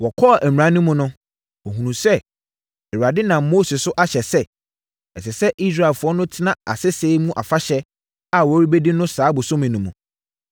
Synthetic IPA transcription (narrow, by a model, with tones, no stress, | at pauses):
wɔ˨kʰɔ˦˨ʔæ˨m˨ã˨˦nʊ̃˦mʊ̃˨nʊ̃˦ | wɔ˨ɦũ˨nũ˨sɛ˦ | ɛ˨ɥa˨dɪ˦nã˨m˦mo˦sɪ˨sʊ˦ʔa˦ɕɛ˨sɛ˦ | ɛ˨sɪ˨sɛ˦ʔi˦sɾa˦˨lfʊ˨ɔ˦nʊ̃˦tʰɪ˦nã˨a̰˨sɪ˦seː˦mũ˦ʔa˨fa˦ɕɛ˦ | a˨wɔ˨˦ɾi˦be˦di˦nʊ̃˦saː˨˦bʊ˨sʊ̃˦mĩ˨nũ˨mũ˨